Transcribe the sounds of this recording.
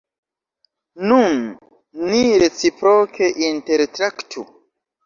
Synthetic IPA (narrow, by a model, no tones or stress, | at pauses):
nunː | iɾet͡sipɾokʰeʔinteɾtɾaktʰu